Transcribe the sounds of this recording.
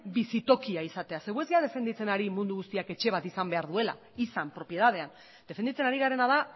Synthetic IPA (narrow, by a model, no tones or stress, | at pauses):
bisit̪o̞kiaisat̪e̞ase̞ɣue̞zɣeað̞e̞fe̞nd̪it͡se̞naɾimund̪uɣust̪iake̞t͡ʃe̞β̞at̪isambe̞aɾðue̞la̰ | isampɾo̞pje̞ðað̞e̞an | d̪̥e̞fe̞nd̪it͡se̞naɾiɣaɾe̞naða